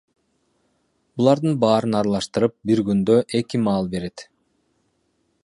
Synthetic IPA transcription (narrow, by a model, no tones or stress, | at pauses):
bulˠɑɾd̪ɯnbɑːɾɯnɑɾlˠɑʃt̪ɯɾɯp̚biɾɡynd̪øʔe̞kimɑːlˠbe̞ɾe̞t̪